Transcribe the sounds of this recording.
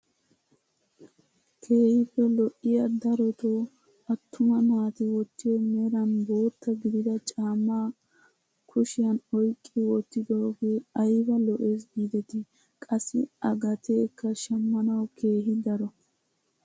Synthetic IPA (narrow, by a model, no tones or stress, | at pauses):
kʰe̞ːhɪpːɛlɔʔɪjɐd̪ɐɾɔt̪oː | ɐt̪ʰːʊmɐnaːt̪ɪwɔt̪ːɪjɔmɛɾɐnbo̞ːt̪ːɐɡɪd̪ɪd̪ɐt͡ʃʼaːmːaː | kʰʊʃɪjɐnɔjkʼːɪwɔt̪ːɪd̪oːɡeːɐjbɐlɔʔe̞ːsɡiːd̪ɛt̪ɪ | kʼɐsːɪ̰ɐɡɐt̪ʰeːkːɐʃɐmːɐnɐwkʰe̞ːɦɪd̪ɐɾɔ